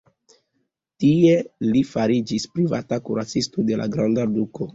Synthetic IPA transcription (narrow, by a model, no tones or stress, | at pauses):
tie̞lifaɾid͡ʒispɾiva̰takuɾat͡sistode̞la̰ɡɾandaduko̞